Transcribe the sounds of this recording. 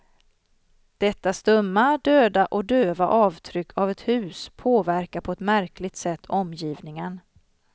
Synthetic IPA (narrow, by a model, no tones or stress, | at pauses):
d̪̥ɛt̪ːast̪ɵmːad̪øːd̪aʔɔk̚d̪øːvaʔɑːvt̪ʰɾʏkʰːavɛt̪hʉ̟ːspʰoːvæɾkapʰɔɛt̪mæɾklɪɡ̚t̪sɛt̪ʰːɔmjiːvnɪŋən